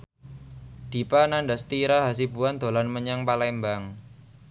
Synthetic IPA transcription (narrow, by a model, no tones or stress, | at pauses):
d̪̥i̤pananɖast̪iɾaɦasibuand̪̥o̤lanməɲaŋpalɛmbaŋ